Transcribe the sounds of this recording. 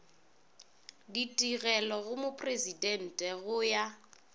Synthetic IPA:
ditʼiɣɛlɔɣʊmʊpʰʼrezidɛn̩tʼɛɣʊja

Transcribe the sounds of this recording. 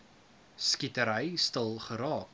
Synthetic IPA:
skitəɾəjstəlˠχəɾɑːk

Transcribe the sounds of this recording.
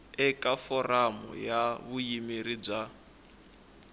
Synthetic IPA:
ɛkʼafɔramɔ̰jaβujimiɾib͡ʐa

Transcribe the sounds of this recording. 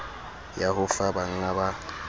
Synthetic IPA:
jaɦʊfabaŋ̩aba

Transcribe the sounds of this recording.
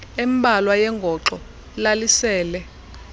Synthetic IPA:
embʱalwajɛŋɡʱɔǁɔ | lalisɛːlɛ

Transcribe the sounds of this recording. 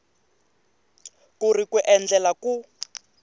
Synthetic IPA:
kurikuʔɛnd͡ɮɛlaku

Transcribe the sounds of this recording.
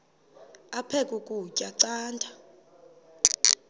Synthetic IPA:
apʰɛkʼukʼucʼaǀaːntʰʼa

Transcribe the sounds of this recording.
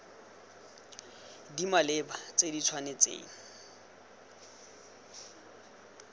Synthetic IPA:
dimalebat͡sʼedit͡sʰwanet͡sḛːŋ̩

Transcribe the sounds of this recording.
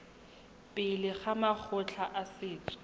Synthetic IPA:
pʼɪlɪχamak͡xʰʊt͡ɬʰaʔasɪːt͡sʼɔ̥

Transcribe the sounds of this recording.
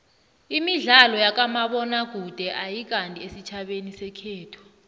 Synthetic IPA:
imiɮalɔjak̬ʼamaɓɔnaɡ̥ʱud̥ʱɛʔajik̬ʼantʼiesit͡ʃʰaɓenisɛkʰɛːtʰɔ̥

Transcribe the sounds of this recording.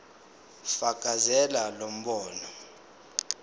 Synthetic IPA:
faɡ̥ʱʼazɛlalom̩ɓɔːnɔ

